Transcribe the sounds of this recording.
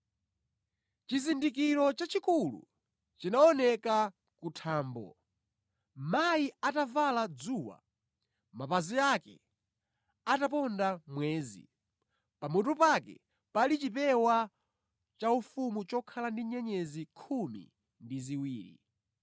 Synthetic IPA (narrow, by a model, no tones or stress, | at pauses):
t͡ʃizindikiɾɔt͡ʃat͡ʃikulṵ | t͡ʃinaɔnɛka | kutʰaːmbɔ̰ | majiatavalad͡zuːwa̰ | mapaziakɛ̰ | atapɔndamwɛːzḭ | pamɔtupakɛ̰ | palit͡ʃipɛwa | t͡ʃaufumut͡ʃɔkʰalandiɲɛɲɛzikʰumḭ | ndiziwiːɾḭ